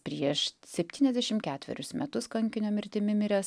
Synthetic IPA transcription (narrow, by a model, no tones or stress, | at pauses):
pʲɾʲiiɛʃsʲɛpʲt̪ʲiːnʲɛzd̪ʲæɛʃʲɪmkʲæːt̪ʲʋʲɛ̰ɾʲʊsmʲɛt̪ʊskɐŋʲkʲɪnʲoːmʲɪɾʲt̪ʲɪmʲɪmʲɪɾʲɛs